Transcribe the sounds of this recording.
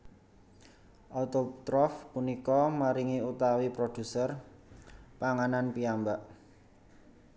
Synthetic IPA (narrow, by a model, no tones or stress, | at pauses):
ʔɔt̪ot̪ɾɔfpunikɔmaɾiŋiut̪awipɾod̪̥ṳsər | paŋananpiambaʔ